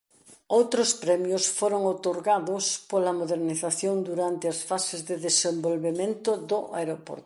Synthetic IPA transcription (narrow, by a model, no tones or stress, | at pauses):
owt̪ɾʊspɾɛmjʊsfoɾoŋot̪oɾɣaðʊspolɐmoðeɾniθaθjoŋd̪uɾant̪ɪɐsfasɪzðeðesembolβemẽnt̪ʊðʊʔaeɾopo̰ɾt̪